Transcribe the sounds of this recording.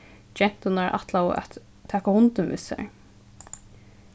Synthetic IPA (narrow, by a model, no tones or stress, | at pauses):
d͡ʒɛn̥t̪ʊnaɹʔa̰t̪law̰ʔæ̰t̪ʰː | ɛːkahʊnt̪ənvɪ̰sa̰ɹ